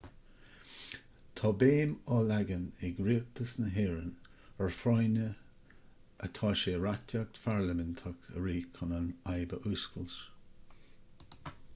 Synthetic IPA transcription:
t̪ʰɑːbeːmɑlaɡənɪɡɾiːət̪əsnəɦeːɹənəɹfɾɔjnə | ʔət̪ʰɑːʃeːɹakt̪ʲʰak̚t̪faɹləmɪnt̪ʰakə̰ɹiːkʰɔnənajbəʔuːskəlʃ

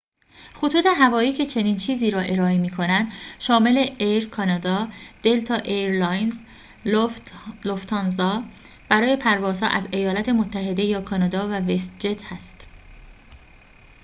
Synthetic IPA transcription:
χot̪ʰuːt̪ʰe̞ɦævɒːiːcʰe̞t͡ʃʰe̞niːnt͡ʃʰiːziːɾɒːʔe̞ɾɒːemiːkʰo̞nænd̪̥ʃɒːme̞le̞ʔejɾkʰɒːnɒd̪ɒːd̪̥e̞lt̪ʰɒːʔeɾlɒjnz | loft̪ʰɑnzɒː | b̥æɾɒːje̞pʰæɾvɒːz̥hɒ̰ːʔæze̞jɒːlæt̪ʰe̞mot̪ʰːæɦe̞d̪e̞jɒːkʰɒnɒd̪ɒːvævest̪̚d͡ʒet̪ʰhæst̪

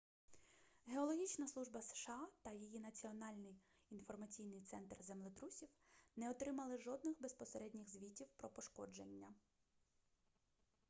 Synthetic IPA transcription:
ɦeɔlˠɔɦʲit͡ʃnɐslˠuʒbɐsʃɑt̪ɐjijinɐt͡sʲiɔnɑlʲnɪj | infɔrmɐt͡sʲijnɪjt̪sɛnt̪rzemlˠɪt̪ɾusʲiwnɛɔt̪ɾɪmɐlˠɪʒɔd̪̚nɪxbespɔseɾɛdʲnʲɪɣzʋʲitʲiwpɾɔpɔʃkɔd͡ʒenʲːɐ

